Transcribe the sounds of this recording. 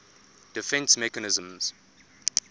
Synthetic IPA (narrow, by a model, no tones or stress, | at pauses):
d̥ɪfɛ̃nsmɛkanɪzə̃mz̥